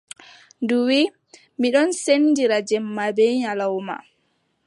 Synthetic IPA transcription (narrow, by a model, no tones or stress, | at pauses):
nduwi | miɗɔnsenːdiɾad͡ʒɛmːabɛɲalawma̰